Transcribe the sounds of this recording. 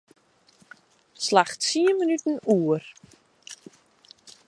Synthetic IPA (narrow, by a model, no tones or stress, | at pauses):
slaxtsiənmənytən̩uːər